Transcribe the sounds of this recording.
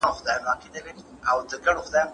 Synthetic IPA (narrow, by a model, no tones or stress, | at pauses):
xʊd̪ɑjanɑked̪əle | awd̪əɡaɽoxʊd̪ɑjn